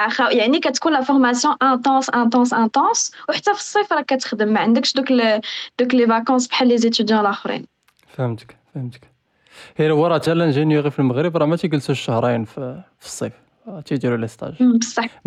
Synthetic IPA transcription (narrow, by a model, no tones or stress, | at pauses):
ʔxæjaʕnikæt̪kunlæfɔɾmæsjɔ̃ʔæ̃t̪ɑ̃sʔæ̃t̪̬ɑ̃sʔæ̃t̪ɑ̃swħat̪ːæfi̥sˤːifɾˤɑkæt̪ə̥xd̪əmːæʕənd̪əkʃd̪ukld̪̥uklevakɑ̃sbħalːezet̪yd̪jɑ̃lɑxɾḭn | fhmt̪ə̥kfhəmt̪ək | hilwɑɾˤɑt̪ælːænʒinjuɣifəlməɣɾəbɾˤɑmæt̪iɡəlsuʃəhɾˤijnffə̥sˤːif | t̪id̪iɾuləst̪ˤɑ̰ʒbəsˤːɑħm